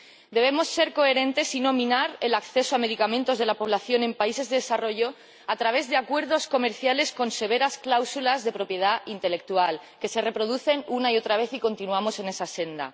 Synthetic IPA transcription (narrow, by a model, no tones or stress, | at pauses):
d̪e̞β̞e̞mo̞sːe̞ɾko̞e̞ɾẽ̞nt̪e̞sinomĩnaɾe̞lakθe̞soame̞ð̞ikamẽnt̪o̞zðelapo̞β̞laθjo̞nẽ̞mpaise̞zðe̞ðesaro̞ʝo | at̪ɾaβe̞zðeakwe̞ɾðo̞sko̞me̞ɾθjale̞sko̞nse̞β̞e̞ɾasklawsulazðe̞pɾo̞pje̞ð̞aint̪e̞le̞k̚t̪ualke̞se̞re̞pɾo̞ð̞uθe̞nunaio̞t̪ɾaβ̞e̞θiko̞nt̪inuamo̞se̞ne̞sase̞nd̪a̰